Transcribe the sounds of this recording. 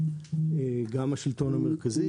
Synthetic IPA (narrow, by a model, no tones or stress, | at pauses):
eɡamaʃilt̪o̞nameʁkazi